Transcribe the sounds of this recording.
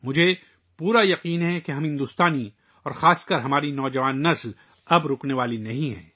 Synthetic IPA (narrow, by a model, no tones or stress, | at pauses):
mʊd͡ʒʱe | puːɾajɐqiːnɦɛkeɦɐ̃mɦɪ̃nd̪ʊst̪aːni | ɔːɾxaːskəɾɦɐmaːɾinɔːd͡ʒɐʋaːnːɐsl | ɐbɾʊːkneʋaːlinɐɦĩɦɛ̰̃ː